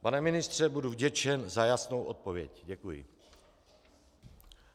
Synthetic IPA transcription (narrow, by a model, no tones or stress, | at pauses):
panɛmɪnɪst̪r̝̥ɛbuduvɟɛt͡ʃɛnzajasnowʔot̪̚povjɛ̰cɟɛkujɪ̰